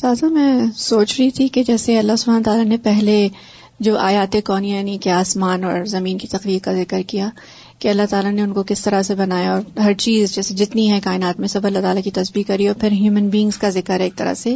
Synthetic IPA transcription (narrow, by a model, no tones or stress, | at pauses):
saːzamɛ̃ːsoːt͡ʃɾɐɦit̪ʰiked͡ʒɛːseɐlːaɦsʊbʱaːnoːt̪aːlanepɛɦle | d͡ʒoːʔaːjaːt̪ekɔːnianikeaːsmaːnɔːɾzɐmiːnkit̪ɐqɾiːɾkazɪkəɾkija | keɐlːaɦt̪aːlaneʊnkokɪst̪ɐɾasebɐnaːjaɔːɾɦɐɾt͡ʃiːzd͡ʒɛːsed͡ʒɪt̪niɦɛ̃kaːɪnaːt̪mẽsɐbɐlːat̪aːlakit̪ɐsbiːkɐɾiɔːɾpʰɪɾɦjuːmənbiːɪ̃ŋz̥kazɪkəɾeːk̚t̪ɐɾa̰se